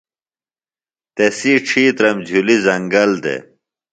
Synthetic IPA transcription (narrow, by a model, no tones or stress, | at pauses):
t̪esiʈ͡ʂʰiːt̪ɾɐmd͡ʑʱulizɐŋɡɐld̪ḛ